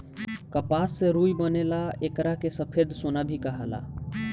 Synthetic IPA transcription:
kəpasːẽɾujbənelaekɾakesəpʰed̪sonabʱikəɦəla̰

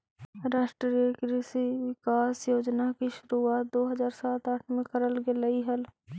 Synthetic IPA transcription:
ɾaːʃʈɾəɾekɾisiʋɪkaːsjoːd͡ʒnakiʃʊɾuaːt̪̚d̪oːɦɐzaːɾsaːt̪aːʈʰmẽkəɾəlɡelɐiɦɐl

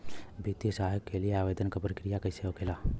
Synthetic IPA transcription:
bʱit̪isaːɦəkkːelijeaːʋeːd̪ənkapɾəkɾijakɐɪseokʰeːlaː

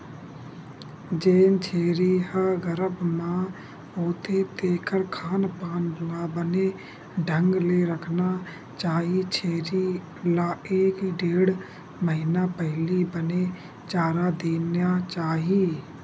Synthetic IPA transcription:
d͡ʒeːnt͡ʃʰeːɾihəɡəɾəbmã | ɦoːt̪et̪eːkəɾkʰaːnpaːndʊabəne | ɖʱə̃ŋɡleɾəkʰna | t͡ʃaːɦit͡ʃʰeːɾi | laeːkɖeːɽ | məɦɪnapɛɦlibəne | t͡ʃaːɾad̪eːnat͡ʃaːɦiː

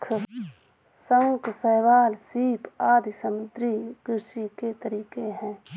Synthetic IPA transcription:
kʰ | sə̃ksəɦʋaːlsiːpaːd̪ʱsəmʊd̪ɾiɡɾʊsiket̪əɾiːkeɦɛ̃ː

